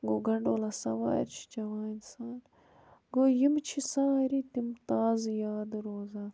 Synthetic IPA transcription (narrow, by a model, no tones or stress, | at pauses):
ɡoɡɐɳɖoːlɐsɐ̰wa̰ːɾt͡ʃʰi̥t͡ʃɐwaːinsaːn | ɡojimt͡ʃʰisãːɾit̪imt̪aːzjaːd̪ɾoːza